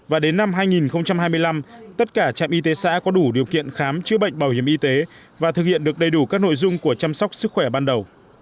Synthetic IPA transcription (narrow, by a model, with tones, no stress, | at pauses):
vaː˨˩ɗe˨˦nːa˧mɦaː˧jŋi˨˩nxə˧wŋ͡mt͡ɕa˧mhaː˧jmɨ˧əjla˧mt̪ə˦˥t̚kaː˧˩t͡ɕa̰ː˧˨mʔi˧t̪̬e˨˦sa̰ː˧˥kɔ˨˦ɗu˧˩ɗi˨˩əwkḭ˧˨ənxaː˨˦mt͡ɕɨ˧əɓə̰˧˨jŋ̟ɓaː˧˩whi˧˩əmʔi˧t̪e˨˦ | vaː˨˩ɨ˨˩k̚hḭ˧˨ənɗɨ˨˩ək̚ɗə˨˩jɗu˧˩kaː˦˥k̚no̰˧˨jzʊ˧ŋ͡mku˧˩ət͡ɕa˧msa˦˥wk͡p̚sɨ˦˥k̚xwɛ˧˩ɓaː˧nɗə˨˩w